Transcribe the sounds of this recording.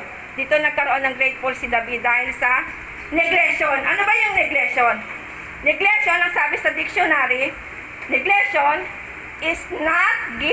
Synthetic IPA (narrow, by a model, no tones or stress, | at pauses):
d̪iːt̪onɐɡ̚kɐɾoʔonːɐŋɾɛjd̪̚folsid̪ɐbid̪aːhɪlsɐ | nɛɡlɛʃonʔɐnobɐjʊŋnɛɡlɛʃon | nɛɡlɛʃonɐŋsaːbɪsɐd̪ɪk̚sonaːɾi | nɛɡlɛʃon | ʔɪsnat̪̚ɡɪ